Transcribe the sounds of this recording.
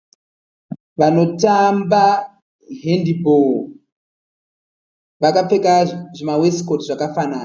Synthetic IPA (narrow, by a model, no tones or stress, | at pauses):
ʋano̞tamba | ɦendibo | ʋakap͡fekaʐimaweskotiʐakafanaːna